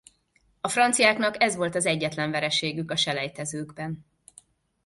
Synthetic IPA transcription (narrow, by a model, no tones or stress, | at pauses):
ɒfrɒnt̪sijaːknɒkɛzʋo̞lt̪ɒzɛɟːɛt̪lɛɱvɛɾɛʃeːɡykɒʃɛlɛjt̪ɛzøːɡbɛn